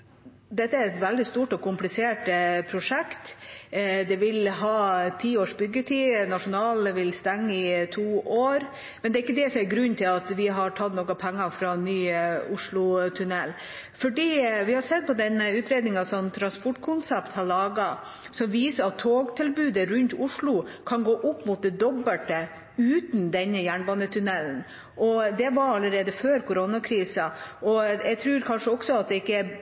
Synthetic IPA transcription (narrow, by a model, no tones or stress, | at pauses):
d̪ɛt̪ːəæɾɛt̪ʋɛld̪ɪst̪uːʈɔkʊmplɪseːʈpʰɾʊʂɛkt̪ | d̪ɛʋɪlɦɑːt̪ʰiːoːʂbʏɡːət̪ʰiːnɑʂʊnɑːlʋɪlst̪ɛŋːəɪt̪ʰuːʔoːɾ | mɛnd̪ɛɾɪkːəd̪ɛsɔmæɾɡɾʉnːt̪ʰɪlɑt̪ʋɪɦɑʈʰɑt̪ːnɔkɑpʰɛŋːɑfɾɑnyːʊʂɭʊt̪ʰʉnɛlː | fɔɖiːʋɪhɑɾsɛt̪̚ːpʰɔd̪ɛnʉːt̪ɾeːd̪nɪŋɑsɔnt̪ʰɾɑnspɔʈːkʰʊnsɛpt̪hɑɭɑːɡɑ | sɔmʋiːsəɾɑt̪ʰːoːɡt̪ʰɪlbʉːd̪əɾʉnt̪ʊʂɭʊkʰɑnɡoːʔʊpːmʊt̪̚d̪ɛd̪ɔbːəʈə | ʉːt̪n̩d̪ɛnːəjæːɳbɑːnət̪ʰʉnɛln | ʔɔd̪ɛʋɑɾɑlːəɾeːd̪əføːɾkʰʊɾonɑkʰɾiːsɑɔjæɡt̪ʰɾʉːɾkʰɑnʂəɔksɔɑt̪̚d̪ɛɪkːə